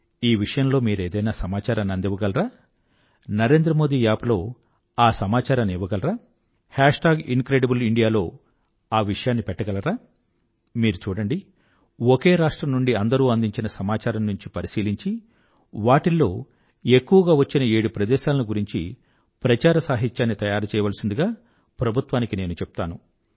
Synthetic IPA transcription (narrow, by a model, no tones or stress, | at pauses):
iːʋiʂɐjɐmlo̞ːmiːɾe̞ːd̪ɐjnaːsɐmaːt͡ʃaːɾɐmnɐnd̪iʋɐɡɐlɐɾaː | nɐɾe̞ːnd̪ɾɐmoːd̪iːjaːpɐlo̞ː | aːsɐmaːt͡ʃaːɾɐmiʋɐɡɐlɐɾaː | haːʂʈaːɡḭnkɾeːɖibuliɳɖijaːlo̞ː | aːʋiʂɐjaːnːipɛʈːɐɡɐlɐɾaː | miːɾut͡ʃuːɽɐɳɖi | ɔke̞ːɾaːʂʈɾɐmnuɳɖiɐnd̪ɐɾuːɐnd̪iɲt͡ʃinɐsɐmaːt͡ʃaːɾɐmnuɲt͡ʃipɐɾisiːliɲt͡ʃi | ʋaːʈilːo̞ː | e̞kːuʋɐɡaːʋɐt͡ʃːinɐe̞ːɽupɾɐd̪ɛːʃaːlɐnuɡuɾiɲt͡ʃḭ | pɾɐt͡ʃaːɾɐsaːɦit̪jaːnːit̪ɐjaːɾɐt͡ʃɛːjɐʋɐːlɐsind̪uɡaː | pɾɐbʱut̪ʋaːnikine̞ːnut͡ʃepu̥t̪aːnu